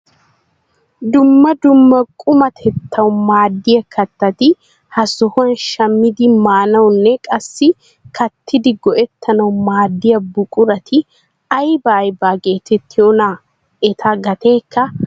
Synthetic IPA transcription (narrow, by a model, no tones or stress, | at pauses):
d̪ʊmːɐd̪ʊmːɐkʼʊmɐt̪ʰɛt̪ʰːɐwmaːd̪ːɪjɐkʰɐt̪ːɐt̪ɪ | hɐsɔhʊɐnʃɐmːɪd̪ɪmaːnɐwnːɛkʼɐsːɪ | kʰɐt̪ʰːɪd̪ɪɡɔʔɛt̪ːɐnɐwmaːd̪ːɪjɐbʊkʼʊɾɐt̪ʰɪ | ɐjbaːjbaːɡe̞ːt̪ɛt̪ːɪjona | ɛt̪ʰɐɡɐt̪e̞ːkːɐ